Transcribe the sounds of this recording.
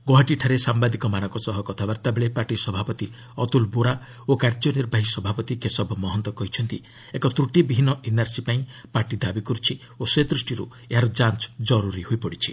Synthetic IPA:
ɡoɦaʈiʈʰaɾesambad̪ikɔmanɔŋkɔsɔɦɔkɔt̪ʰabaɾt̪abeɭepaɾʈisɔbʱapɔt̪i | ɔt̪ulbuɾa | okaɾd͡ʒɔniɾbʱaɦisɔbʱapɔt̪ikesɔbʱɔmɔɦɔnt̪ɔkɔɦit͡ʃʰɔnt̪i | ekɔt̪ɾuʈibiɦinɔʔinaɾsipaĩpaɾʈid̪abikɔɾut͡ʃʰi | osed̪ɾusʈiɾṵ | eɦaɾɔd͡ʒant͡ʃd͡ʒɔɾuɾihujpɔɽit͡ʃʰi̥

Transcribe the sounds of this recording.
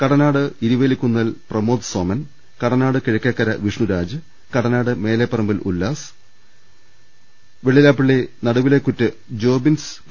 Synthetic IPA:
kɐɽɐnaːɽɨiɾuʋeːlikʲːunːɐlprɐmo̞ːd̪soːmɐn | kɐɽɐnaːɽɨkiɻɐkʲːɐkːɐɾɐʋiʂɳuɾaːd͡ʑɨ | kɐɽɐnaːɽɨme̞ːlepːɐrɐmbilṵlːaːs | ʋeɭːilaːpːiɭːenɐɽɐʋilekːutːɨ | d͡ʑo̞ːbins

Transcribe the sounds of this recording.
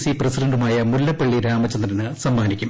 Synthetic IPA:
sipresiɖɐɳɖumaːjɐmulːɐpːeɭːiɾaːmɐt͡ɕːɐnd̪rɐnɨsɐmːaːnikʲːum

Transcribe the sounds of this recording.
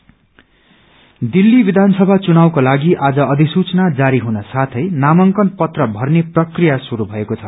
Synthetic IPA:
d̪ilːibid̪ʱansʌbʱat͡sunawkolaɡiʔad͡zʌʌd̪ʱisut͡snad͡zaɾiɦunʌsat̪ʰʌjnamʌŋkʌnpʌt̪rʌbʱʌrneprʌkrijasuɾubʱʌekot͡sʰʌ

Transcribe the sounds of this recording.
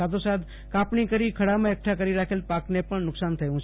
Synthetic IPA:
aːt̪ʰõsaːt̪ | kaːpnikəɾikʰɐɽamẽek̚ʈʰakəɾiɾaːkʰelpaːknepəɳnʊksaːnt̪ʰɐɦũ

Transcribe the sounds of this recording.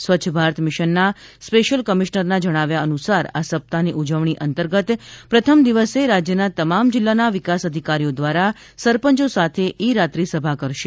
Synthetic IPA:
sʋət͡ʃʰbʱaɾt̪ʰmɪʃənːa | speʃəlkəmiʃnəɾnad͡ʒəɽ̃aʋjaənusaɾasəp̚t̪aniʔud͡ʒəʋɳiʔənt̪əɾɡət̪pɾət̪ʰəmd̪iʋəseɾad͡ʒjənat̪əmamd͡ʒɪlːanaʋɪkasəd̪ʱikaɾijod̪ʋaɾa | səɾpəɲt͡ʃosat̪ʰeʔiɾat̪ɾisəbʱakəɾʃe

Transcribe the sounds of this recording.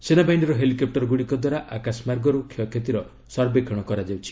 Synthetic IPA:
senabajɳɖɔɾɔɦelikɔp̚ʈɔɾɔɡuɽikɔd̪waɾaʔakasmaɾɡɔɾukʰɔkʰet̪iɾɔ | sɔɾbekʰɔɽ̃ɔkɔɾad͡ʒawt͡ʃʰi̥

